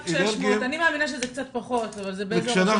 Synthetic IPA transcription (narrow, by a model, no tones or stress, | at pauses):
ʃʃmanimeaminaʃezek̚t͡sat̪̚paχo̞t̪avalzebeeʃana